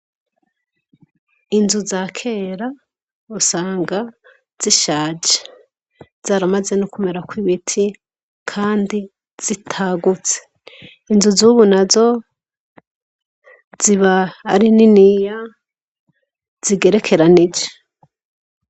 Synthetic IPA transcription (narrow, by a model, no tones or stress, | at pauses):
inzuzaːkʰe̞ːɾa | usaːŋɡa | z̥iʃaːd͡ʒe̥ | z̥aːɾamaze̞nukume̞ɾakwiβitʰi | kʰaːndi | z̥itʰaːɡut͡se̥ | inzuzuβunazo̞ | z̥iβaːɾininija | z̥iɡe̞ɾe̞kʰe̞ɾanid͡ʒe̥